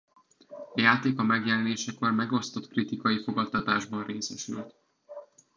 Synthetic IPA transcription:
ɒjaːt̪eːkɒmɛɡjɛlɛneːʃɛkormɛɡo̞st̪o̞t̪krit̪ikɒjifo̞ɡɒt̪ːɒt̪aːʒbɒnreːsɛʃylt̪

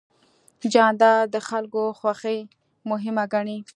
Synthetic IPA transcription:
d͡ʒɑnd̪ɑɾd̪əxalkoxwaxəj | mʊɦɪmaɡaɳi

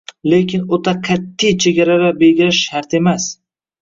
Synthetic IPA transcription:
lekʲʰɪnot̪ʰaqʰat̪ʰːijt͡ʃʰeɡʲaɾaɾabeɡʲɪɾɪʃaɾt̪e̞mas

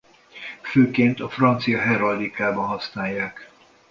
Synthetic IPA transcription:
føːkeːnt̪ɒfrɒnt̪sijɒɦɛɾɒld̪ikaːbɒnɦɒsnaːjːaːk

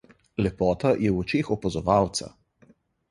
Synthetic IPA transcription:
lɛpɔːt̪ajɛwɔt͡ʃeːxɔpazɔʋaːwt̪sa̰

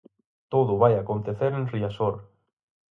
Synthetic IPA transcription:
t̪oðʊβajakont̪eθeɾẽnriasoɾ

